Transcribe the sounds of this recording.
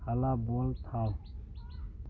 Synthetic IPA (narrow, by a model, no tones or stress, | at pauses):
həlaboːlt̪ʰaː